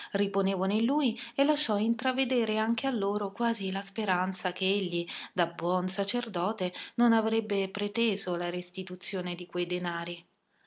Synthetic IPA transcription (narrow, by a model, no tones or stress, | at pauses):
riponeːvonelːuːjelːaʃːɔint̪ɾaved̪eːɾeaŋk̟ealːoːɾokwaːzilaspeɾant̪sak̟eeʎːid̪abwɔnsat͡ʃerd̪ɔːt̪enonavɾɛbːepɾet̪eːzolaɾest̪it̪ut̪sːjoːned̪ikwejd̪enaːɾi